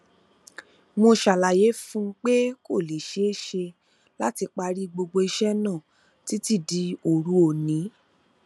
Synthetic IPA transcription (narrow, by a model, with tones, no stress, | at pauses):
mo˧ʃa˨la˨je˨˦fũ˦k͡pe˦ko˦˨le˨ʃe˨˦e˦ʃe˧ | la˦ti˧k͡pa˧ɾi˦ɡ͡bo˧ɡ͡bo˧i˧ʃɛ˦nã˦˨ | ti˨˦ti˦˨di˧˦o˨ɾu˨˦o˨nĩ˨˦